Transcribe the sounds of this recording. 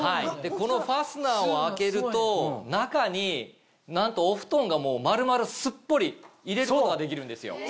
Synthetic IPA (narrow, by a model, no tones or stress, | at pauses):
haid̪e̞ko̞no̞ɸasɨnaːoake̞ɾɯ̟t̪o̞nakaɲ̟i | nãnt̪o̞ːɸɯ̟̥t̪õ̞ŋɡamo̞ːmaɾɯ̟maɾɯ̟sɨpːo̞ɾʲiiɾe̞ɾɯkkooɡad̪e̞k̬ʲiɾɯ̟̃nd̪e̞sɨjo̰